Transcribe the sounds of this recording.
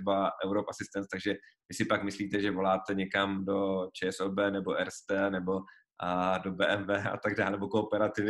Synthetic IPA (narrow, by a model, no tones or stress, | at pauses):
ɛbaʔɛwɾopasɪst̪ɛnt̪t̪aɡʒɛvɪsɪpakmɪsliːt̪ɛʒɛvo̞laːt̪ɛɲɛkamdo̞t͡ʃɛːɛsoːbɛːnɛbo̞ʔɛɾst̪ɛːnɛbo̞ | do̞bɛːʔɛmvɛːʔa̰t̪aɡ̚daːlnɛbo̞kopɛɾat̪ɪvɪ